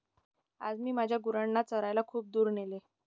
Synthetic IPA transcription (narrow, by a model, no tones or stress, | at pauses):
a̰d͡zmiːmad͡ʑʱjaɡuɾəɳːat͡səɾajlakʰuːp̚d̪uːɾnele